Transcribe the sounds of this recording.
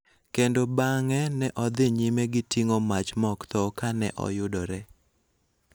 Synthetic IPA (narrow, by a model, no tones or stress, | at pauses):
kendobaŋɛnɛʔɔd̪ɪɲimeɡɪtiŋomat͡ʃmɔkt̪ɔkanɛʔɔ̰jʊdɔɾɛ